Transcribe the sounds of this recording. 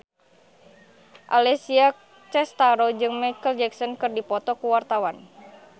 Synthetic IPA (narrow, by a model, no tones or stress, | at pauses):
ʔalɛsia | t͡ʃɛst̪aɾɔd͡ʒɨŋmajkəld͡ʒɛksɔnkɨrdipɔt̪ɔkuwart̪awan